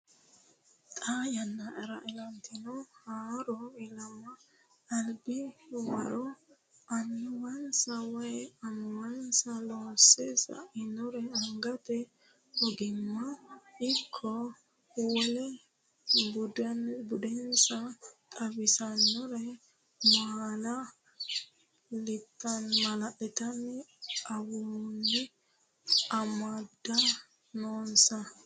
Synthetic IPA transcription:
t̪ʼaːjɐnːɐʔɛɾɐʔɛlɐnt̪ʰɪnɔhaːɾɔɪlɐmːɐː | lbɪwɐ̰ɾɔ | ɐnːʊwɐnsɐwɐjɛɐnːʊwɐnsɐloːsesɐ̰ʔɪnɔɾɛɐŋɡɐt̪ɛ | ɔɡɪmːɐɪkʰːɔ | uːlɛ | bʊdnbʊd̪ɛnsɐt̪ʼɐbɪsɐnːɔɾɛ | maːlɐ | lɪt̪ːɐnmɐlɐʔɛt̪ɐnːɛɐwunːɛ | ɐmɐd̪ːɐ | noːnsɐ

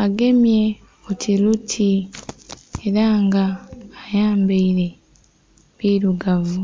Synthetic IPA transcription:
aɡe̞mje̞ | otʰilutʰi | eɾaŋɡaːjaːmbeiɾe̞ | βiːɾuɡavu

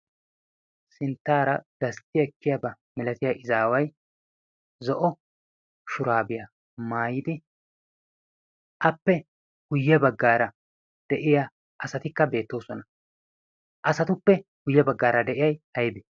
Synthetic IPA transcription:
sɪnt̪ːaːɾɐd̪̥ɐst̪ɪjɐkːɪjɐbɐ | mɪlɐt̪ɪjɐʔɪzaːwɐj | zɔʔɔ | ʃʊɾaːbɪjɐ | maːjɪd̪ɪ | ʔɐpːɛ | hʊjːɛbɐɡːaːɾɐ | d̪̥ɛʔɪja | ʔɐsɐt̪ɪkːɐbe̞ːt̪ːo̞ːsɔnɐ | ʔɐsɐt̪ʊpːɛhʊjːɛbɐɡːaːɾɐd̪ɛʔɪjɐjɐjbɛ

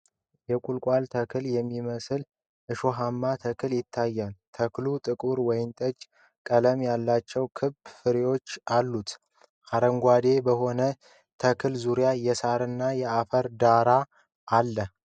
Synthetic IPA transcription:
jɛkʼulkʷʼalt̪ʰəkʰɨljɛmːiməsɨl | ʔɨʃoɦamːat̪ʰəkʰɨljɪt̪ʰːajːant̪ʰəklut̪ʼɨkʼuɾwɔjɪmt̪ʼət͡ʃʼ | kʼələmjalːat͡ʃːɛwkʰɨb̥fɨɾewo̞t͡ʃːalːut̪ | haɾəŋɡʷad̪e̞bəɦo̞nə | t̪ʰəkʰɨlzuɾjajɛsaɾɨnːajɛafəɾd̪aɾa | ʔalːə

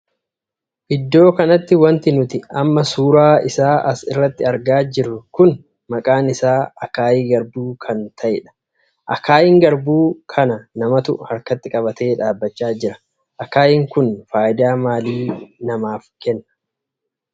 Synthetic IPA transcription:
ʔɪd̪ːo̞ːkɐnɐt̪ːɪwɐnt̪ɪnʊt̪ɪɐmːɐsuːɾaːɪsaːʔɐsɪ̰rːɐt̪ːɪɐɾɡaːd͡ʒɪrːʊkʊn | mɐkʼaːnɪsaːɐkaːjiɡɐɾbuːkʰɐnt̪ʰɐʔɪᶑɐ̥ | ʔɐ̰kaːjɪŋɡɐɾbuːkʰɐnɐnɐmɐt̪ʊhɐɾkɐt̪ːɪkʼɐbɐt̪ʰeːᶑaːbːɐt͡ʃːaːd͡ʒɪɾɐ̥ | ʔɐkaːjɪŋkʊnfaːjɪd̪aːmaːliːnɐmaːfkɛnːɐ̥

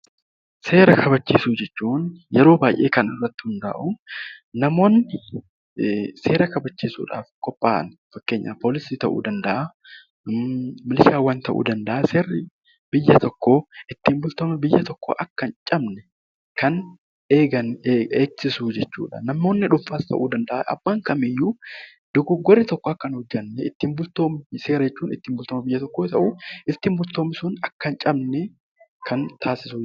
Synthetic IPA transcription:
se̞ːɾɐkʰɐbɐt͡ʃːiːsud͡ʒɛt͡ʃːuːnjɛɾo̞ːbaːjʔe̞ːkɐnɪrːɐt̪ːɪ̥hʊnd̪a̰ːʔʊnɐmo̞ːnːɪ | se̞ːɾɐkɐbɐt͡ʃːiːsṵːᶑa̰ːfkɔpʼːaːʔn | fɐkːe̞ːɲːa̰ːpoːlɪsiːt̪ɐʔṵːd̪ɐnd̪ɐʔa | mɪlʃaːwːant̪ɐʔṵːd̪ɐnd̪ɐʔɐseːrːɪ | b̥ɪjːɐt̪ɔkːoʔɪt̪ːiːmbʊlt̪oːmɛbɪjːɐt̪ɔkːo̰ːʔɐkːɐnt͡ʃʼɐbnɛ | kɐn | eːɡɐnːeːɡsɪsuːd͡ʒɛt͡ʃːṵːᶑɐ̰nɐmːo̞ːnːɪᶑʊɱfaːst̪ʰɐ̰ʔṵːd̪ɐnd̪ɐʔaʔɐ̰bːaːŋkɐmɪjːu | d̪̥ɔɡɔɡːɔɾːɪt̪ɔkːoɐkːɐnhʊd͡ʒːɐnːɛɪt̪ːiːmbʊlt̪oːmse̞ːɾɐd͡ʒɛt͡ʃːuːnɪ̰t̪ːiːmbʊlt̪oːmɐbɪjːɐt̪ɔkːoːt̪ɐʔuːɪt̪ːiːmbʊlt̪o̞ːmɪsʊnɐkːɐnt͡ʃʼɐbnɛ | kʰɐnt̪ʰaːsɪsuː

